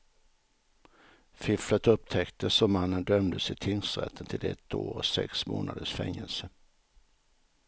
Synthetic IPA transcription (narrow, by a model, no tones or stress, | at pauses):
fɪflət̪ɵp̚t̪ʰɛkt̪əsɔmanːənd̪œmd̪əsɪt̪ʰɪnsɾɛ̰t̪ʰːənt̪ʰɪlɛ̰t̪ʰːoːɾɔ̰sɛ̰ksmo̰ːnad̪əʂfɛŋːəlsə